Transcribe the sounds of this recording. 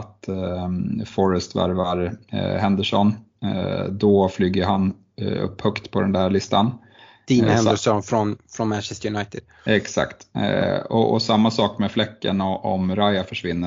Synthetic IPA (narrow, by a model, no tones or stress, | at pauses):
t̪ | fɔɾəst̪væ̰ɾvaɾhɛnd̪əʂɔn | d̪ɔflyːɡəɾɦan | ɵ̰pːhœkt̪pʰɔd̪ɛnd̪æːɾɭɪst̪an | d̪̥iːnhɛəʂɔnfɾɔnfɾɔnmænʃɛst̪jɵnajt̪ɪd̪̥ | ɛksa̰kt̪ | ɔ̰ɔ̰samːasɑːkmɛːflɛkːə̰nɔɔ̰mɾajafœʂvɪnːə